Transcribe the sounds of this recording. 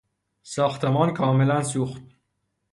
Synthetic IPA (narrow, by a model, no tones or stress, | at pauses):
sɒːxt̪ʰemɒːnkʰɒːmelæns̬uːxt̪̚